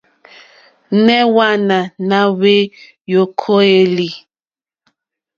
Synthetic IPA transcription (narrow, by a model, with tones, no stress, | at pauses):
nɛ˦wa˦na˨na˦we˦ | jo˨kʰo˦e˦li˨